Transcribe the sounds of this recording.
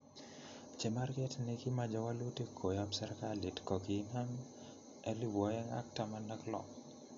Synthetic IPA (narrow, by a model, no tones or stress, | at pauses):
t͡ʃɛmarkɛtnikimad͡ʒawalutikʰːojabsɛɾkalitkɔkinaŋ | ɛlibɔjɛŋa̰k̚tamandaklɔ̰k